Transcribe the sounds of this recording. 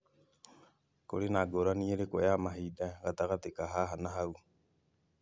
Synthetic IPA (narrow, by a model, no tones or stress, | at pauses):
koɾenaɡoɾanieɾekoeamaɦidaɡat̪aɣat̪ekaɦaɦanaɦaw